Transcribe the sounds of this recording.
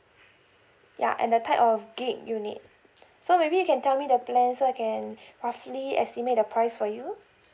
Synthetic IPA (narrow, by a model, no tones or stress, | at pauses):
ja̰ʔɛ̰̃ndətʰaɪpɔfɡẽmjunḭd̚ | somebijukɛ̃ntɛlmidəplɛ̃nsoaɪkʰɛ̃nɹafliɛ̰stimet̚dəpʰɹaɪsfɔju